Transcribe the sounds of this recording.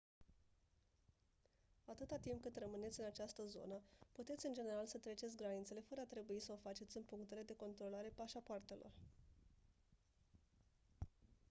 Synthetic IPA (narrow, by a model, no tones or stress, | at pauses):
at̪ɨt̪at̪imp̚kɨt̪rəmɨne̞t̪sʲɨnat͡ʃast̪əzo̞̰nəput̪e̞t̪sʲɨnd͡ʒe̞ne̞ɾalsət̪ɾe̞t͡ʃe̞t̪sʲɡɾanit̪sele̞fəɾəat̪ɾe̞buisəofat͡ʃe̞t̪sʲɨnpuŋkt̪e̞le̞d̪e̞ko̞nt̪ɾo̞laɾe̞paʃapoart̪e̞lʔo̞̰r